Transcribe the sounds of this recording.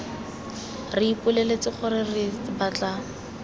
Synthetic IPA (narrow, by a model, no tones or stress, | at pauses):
rɪipʊlelet͡sɪχʊrɪrɪbat͡ɬa